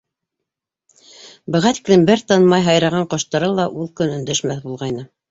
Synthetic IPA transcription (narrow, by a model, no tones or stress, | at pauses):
bɘ̆ʁɑt̪i̥klɘmbɘɾt̪ɑnmɑjɦɑjɾɑʁɑɴqŏʃt̪ɑɾɤlˠɑʔulˠkɵnɵ̆nd̪æʃmæθbulˠʁɑjnɤ